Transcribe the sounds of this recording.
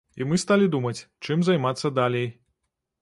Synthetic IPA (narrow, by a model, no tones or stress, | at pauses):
imɨst̪alʲid̪umɐt͡sʲt͡ʂɨmzajmat̪sːɐd̪alʲej